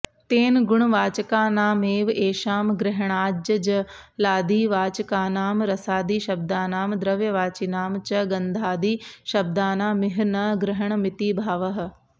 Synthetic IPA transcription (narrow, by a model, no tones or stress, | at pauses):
t̪eːnɡʊɳ̃ʋaːt͡ʃɐkaːnaːmeːʋeːʃaːmɡɾɪɦɐɳ̃aːd͡ʒɐd͡ʒɐ | laːd̪iːʋaːt͡ʃɐkaːnaːmɾɐsaːd̪iːʃɐb̚d̪aːnaːmd̪ɾɐʋjɐʋaːt͡ʃinaːmt͡ʃɐɡɐ̃nd̪ʱaːd̪iːʃɐb̚d̪aːnaːmɪɦnɐɡɾɪɦɐɳ̃mɪt̪iːbʱaːʋɐɦ̆